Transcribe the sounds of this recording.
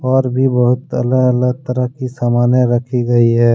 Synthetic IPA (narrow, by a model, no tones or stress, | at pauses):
ɔːɾbʱibəɦʊt̪ə̰ləɡələɡ̚t̪əɾəɦkisaːmaːneɾəkʰiɡəiɦɛː